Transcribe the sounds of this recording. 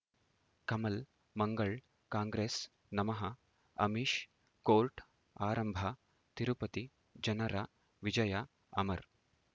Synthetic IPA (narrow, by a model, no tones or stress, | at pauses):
kɐmɐl | mɐŋɡɐɭ | kaːŋɡɾeːs | nɐmɐɦɐ | ɐ̰miʃ | koːlʈ | aːɾɐmbʱɐ | t̪iɾupɐt̪i | d͡ʒɐnɐɾa | ʋid͡ʒɐjɐ | ɐ̰mɐɾ